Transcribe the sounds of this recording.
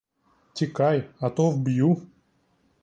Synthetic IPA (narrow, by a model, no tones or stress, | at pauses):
t̪ʲɪkajɐt̪ovbju